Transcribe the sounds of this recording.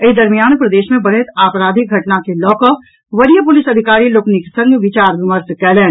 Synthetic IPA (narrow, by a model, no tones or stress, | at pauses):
ed̪ɐɾmijaːnpɾɐd̪eːʃmẽbɐɽet̪aːpɾaːd̪ʱiɡʱɐʈnakelɔːkə | ʋɐɾijəpʊlɪsɐd̪ʱɪkaːɾiloːkniksɐ̃ŋɡʋɪt͡ʃaːɾʋɪməɾt̪kɛːlɛːn